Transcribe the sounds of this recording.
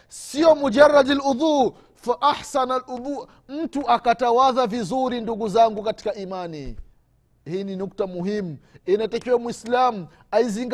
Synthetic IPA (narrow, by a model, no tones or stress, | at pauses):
siɔmud͡ʒarːadaluðu | faʔaħsanalʔuðu | m̩tuʔakatawaðavizuɾinduɡuzaŋɡukati̥kaʔimani | hiːninuk̚tamuɦimuinatakiwamwislamu | aiziŋɡ